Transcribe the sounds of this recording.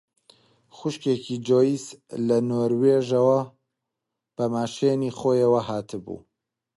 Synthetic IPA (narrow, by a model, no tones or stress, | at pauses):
xʊʃkekid͡ʒoːjislɐnoːɾweːʒɐwɐ | b̥ɐmaːʃeniːxoːjɐwɐhaːt̪ʰɨbṵː